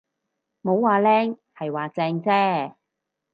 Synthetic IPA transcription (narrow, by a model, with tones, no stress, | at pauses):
mo˨˧wːaː˨˧lɛː˥ŋhɐ˨jwaː˨t͡sɛː˧ŋt͡sɛː˥